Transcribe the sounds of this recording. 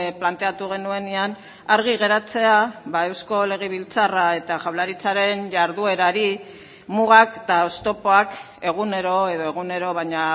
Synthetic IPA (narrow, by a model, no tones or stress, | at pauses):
plant̪e̞at̪uɣ̞e̞nue̞nean | aɾɣiɣ̞e̞ɾat͡se̞aβae̞wsko̞le̞ɣ̞eβ̞ilt͡sarae̞t̪aʝawlaɾit͡saɾe̞nʝaɾðue̞ɾaɾi | muɣ̞akt̪aost̪o̞po̞ak | e̞ɣ̞une̞ɾo̞e̞ðo̞e̞ɣ̞une̞ɾo̞βaɲa